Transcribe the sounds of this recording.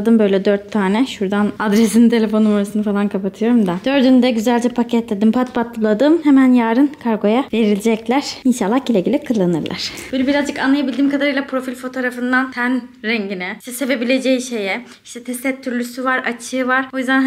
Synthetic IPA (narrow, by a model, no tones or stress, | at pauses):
d̪ɯmbø̞jlʲɛd̪øɾt̪ʰːaːnɛʃuɾd̪anad̪ɾesinint̪ʰe̞lʲe̞fo̞numaɾasɯnɯfalˠankʰapat̪ʰɯjo̞ɾumd̪ad̪̥ø̞ɾd̪ynd̪ɛɟyzælʲd͡ʒɛpʰacʰɛt̪lʲed̪impʰat̪̚pʰat̪lˠɯlˠad̪ɯmhemænjaːɾɯnkʰaɾɡo̞jave̞ɾilʲid͡ʒɛclʲæɾ̥inʃalːˠahɟilʲeɟilʲikʰɯlˠːanɯ̰ɾlˠʔa̰ɾ̥bøjlʲɛbiɾazd͡ʒɯkanlˠajabilʲd̪iːmkʰad̪aɾɯjlˠapʰɾo̞filʲfo̞t̪ʰo̞ɾafɯnd̪ant̪ʰænɾɛɲɟinɛiʃt̪ʰɛse̞ve̞bilʲe̞d͡ʒejiʃe̞jɛ | iʃt̪ʰɛt̪ʰɛst̪ʰɛt̚t̪ʰːyɾlʲysyvaɾat͡ʃʰɯːvaɾ̥o̞jyzd̪an